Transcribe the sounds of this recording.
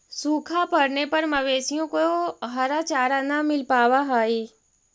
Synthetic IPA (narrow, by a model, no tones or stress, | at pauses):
suːkʰapɐɽnepɐɾmɐʋeːsijõkoɦɐɾat͡ʃaːɾanamɪlpaːwaɦaːiː